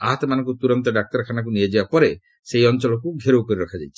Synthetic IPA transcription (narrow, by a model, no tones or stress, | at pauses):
aɦat̪ɔmanɔŋkut̪uɾɔnt̪ɔɖak̚t̪ɔɾkʰanak̬unied͡ʒibapɔɾe | sejɔnt͡ʃɔlɔk̬uɡʱeɾowkɔɾiɾɔkʰad͡ʒajt͡ʃʰi̥